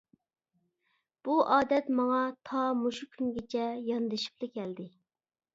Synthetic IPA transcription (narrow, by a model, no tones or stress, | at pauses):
b̥uʔɑːd̪ɛt̪mɑŋɑt̪ʰɑmuʃukʲʰyŋɡʲet͡ʃʰɛjɑnd̪ɨʃi̥plɪkʲʰɛld̪ɪ